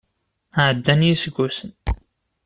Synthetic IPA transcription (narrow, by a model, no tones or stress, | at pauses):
aʕəd̪ːænjisəɡʷːusən